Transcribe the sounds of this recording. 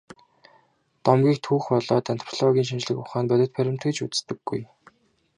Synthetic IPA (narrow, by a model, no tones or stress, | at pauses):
t̪ɔmɡʲiːkt̪ʰuːxpɔɮɔːt̪ant̪ʰɔ̥pʰɮɔɣʲiːŋʃint͡ɕɮɘ̆kʊχaːnpæt̪ʲɪ̆t̪̚pʰæɾʲɪ̆m̥t̪ɡɘ̆t͡ɕut͡sst̪ɘ̆ɡ̥ːuj